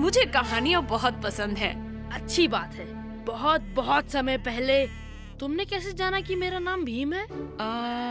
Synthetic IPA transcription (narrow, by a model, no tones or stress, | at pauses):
mʊd͡ʒʱekɐɦaːniãbɐɦʊt̪̚pɐsə̃nd̪ɦɛ̰̃ː | ɐtːʃʰibaːt̪ɦɛː | bɐɦɔt̪̚bɐɦɔt̪sɐməjpɛɦle | t̪ʊmnekɛːsed͡ʒaːnakimeːɾanaːmbʱiːmɦɛːaː